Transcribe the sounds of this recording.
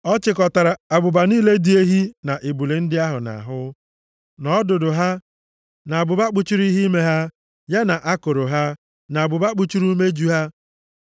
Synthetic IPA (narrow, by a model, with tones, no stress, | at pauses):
ɔ˦t͡ʃɪ˨kɔ˨ta˨ɾa˨a˨bʊ˨ba˨niː˦le˦di˨˦e˦ɦi˦na˨ʔi˨bu˨le˨n̩˦dɪ˦a˦ɦʊ˨na̰˨ɦʊ˦ | nɔ˦dʊ˨dʊ˨ɦa˦ | na˨a˨bʊ˨ba˦k͡pu˦t͡ʃi˦ɾi˦i˦ɦi˦me˦ɦa˦ | ja˦na˨ʔa˦ko˨ɾo˨ɦa˦ | na˨bʊ˨ba˦k͡pu˦t͡ʃi˦ɾu˦me˦d͡ʒu˦ɦa˦